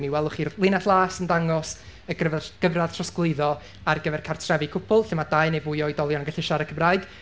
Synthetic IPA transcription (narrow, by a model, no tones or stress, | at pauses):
miwɛlˠʊχirlˠɪnaθlˠaːsəndaŋɔs | əɡəvɡ̥əvrað̥tʰrɔsɡlˠɪɨðɔ | arɡəvɛrkʰartʰrɛvikʰʊpʰʊlˠɬɪmad̥ajnejvʊɨɔɨdɔlˠjɔnɡəɬɪʃaɾəkʰəmraɨd̥